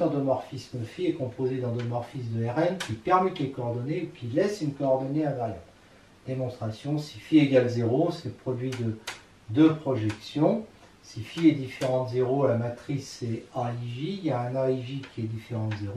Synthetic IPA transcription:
ɑ̃d̪əmɔʁfisməfiɛkɔ̃pozed̪ɑ̃d̪əmɔʁfis̬d̪əɛʁɛmkʲipɛʁmɛt̪lekɔːʁd̪ɔneukʲilɛsynkɔɔʁd̪ɔneɛ̃vaʁja̰b | d̪̥emɔ̃st̪χasjɔ̃si̥fieɡalzeʁosɛpχɔd̪ɥid̪ə | d̪øpχɔʒɛksjɔ̃ | sifiɛd̪ifeʁɑ̃t̪zeʁolamat̪χisɛaiʒijaɛ̃naiʒikʲiɛd̪ifeʁɑ̃t̪zeʁo

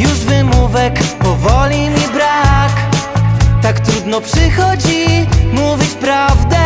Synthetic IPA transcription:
juʐvɘmuvɛkpɔvɔlʲimʲibɾak | t̪akt̪ɾud̪nɔpʂɘxɔd͡ʑimuvʲit͡ɕpɾavd̪ɛ

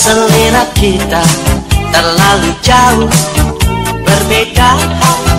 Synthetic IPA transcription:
səlːeɾakit̪at̪ərlalud͡ʒau | b̥ərbeda

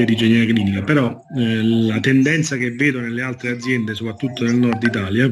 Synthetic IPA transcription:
ad̪id͡ʒenɛakliːnikapeɾɔ | lat̪end̪ɛnt̪sakevːeːd̪onelːealt̪ɾead̪zːjɛnd̪es̬opɾat̪ːut̪ːonelnɔrd̪it̪aːlja

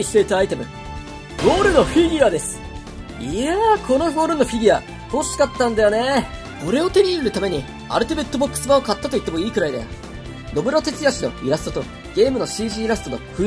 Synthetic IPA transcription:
iɕi̥t̪e̞it̪aːit̪e̞mɯ̟ | ɡo̞ːɾɯ̟no̞ɸʲid̪ʲiad̪e̞sɨ̥ | iakʰo̞no̞ɡo̞ːɾɯ̟no̞ɸʲid̪ʲia | ho̞ɕi̥kat̪ːãnd̪ajo̞ne̞ | ko̞ɾe̞o̞t̪e̞ɾʲiːnɾɯ̟t̪ame̞ɲ̟i | a̰ɾɯ̟t̪ebe̞t̪ːo̞bo̞kːɯ̥sɨmaokat̪ːat̪o̞it̪ːe̞mo̞iːkɯ̟ɾaid̪a̰o | no̞bɯ̟ɾot̪e̞t͡sɨjaɕino̞̰iɾasɨ̥t̪ot̪o̞ | ɡ̥e̞ːmɯno̞ɕiːʑiːɾasɨ̥t̪ono̞̰ɸɯ̟

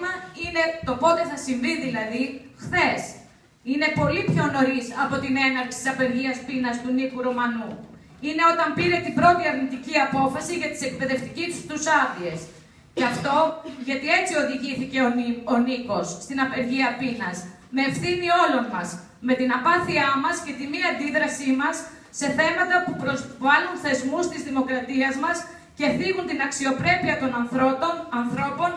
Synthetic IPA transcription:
mɐine̞t̪o̞po̞t̪eθɐsiɱvinðilɐðixθe̞s | ine̞po̞lipço̞no̞ɾisɐpo̞t̪ine̞nɐɾksi̥t̪i̥sɐpe̞ɾʝiɐspinɐst̪unikuɾo̞mɐnu | ine̞ot̪ɐmpiɾe̞t̪ibɾo̞t̪iɐɾnit̪iciɐpo̞fɐsiʝɐt̪i̥se̞k̚pe̞ðe̞ft̪icit̪u̥st̪usɐðie̞s | ceɐftt̪o̞ʝɐt̪ie̞t͡sio̞ðiʝiθice̞ooniko̞sːt̪inɐpe̞ɾʝiɐpinɐs | me̞ːfθinio̞lo̞nmɐs | me̞t̪inɐpɐθiɐmɐsce̞t̪imiɐnd̪iðɾɐsimɐsː | e̞θe̞mɐt̪ɐpupɾozvɐlunθe̞zmust̪izðimo̞kɾɐt̪iɐzmɐs | ce̞θimunt̪inɐksio̞pɾe̞piɐt̪o̞nɐnθooɐnθɾo̞po̞n

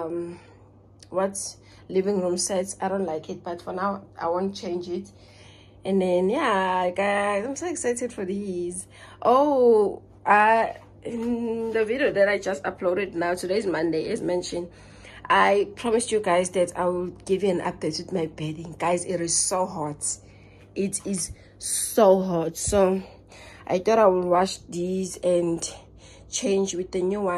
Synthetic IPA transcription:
m | wɔt | livĩŋɹũmsɛtsajdõʊntlaɪkʰit̚b̥atfɔnawʔa̰jwõnt͡ʃʰẽnd͡ʒit | ɛ̃ndɛ̃njaɡazãmsoɛksajtɛdfɔðiz | ʔo | a | ĩndəviɾioðɛtajd͡ʒastapʰlɔɾɛdnawtʰudezmãndeɛzmɛ̃nʃɔ̃n | ʔajpʰɹ̥ɔmisjuɡajzðɛtʰa̰jwilɡivjuɛ̃nʔa̰p̚dɛtwiθmajbɛdĩŋɡajziɾiz̥soɦɔt | itʰiz | soɦɔtso | ʔa̰jθɔɾajwilwɔt͡ʃdizɛ̃n | t͡ʃʰẽnd͡ʒwiθðənjuwã

